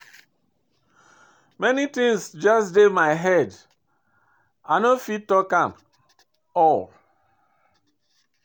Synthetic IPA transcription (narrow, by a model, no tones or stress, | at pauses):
mɛnitĩŋsd͡ʒasdemaɪɦɛd | aɪnofit̚tɔkãm | ɔl